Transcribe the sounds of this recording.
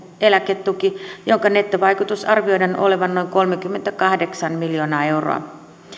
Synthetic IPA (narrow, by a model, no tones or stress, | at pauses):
elæket̪ːukijoŋkɑne̞t̪ːøʋɑjkut̪usɑrʋio̞jdɑnʔo̰le̞ʋɑnːo̞iŋko̞lmekymːent̪ækɑhdeksɑnmiljoːnɑːe̞wro̰ɑ̰